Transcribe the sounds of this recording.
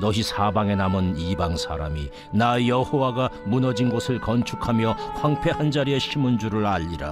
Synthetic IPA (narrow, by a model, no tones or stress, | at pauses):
nʌɕisʰabaŋe̞namɯnibaŋsʰa̰ɾa̰mḭ | najʌhowaɡamunʌd͡ʑinɡosʰɯɭkʌnt͡ɕʰukʰamjʌɸwaŋpʰe̞hand͡ʑaɾieɕʰimund͡ʑuɾɯɭaʎːiɾa̰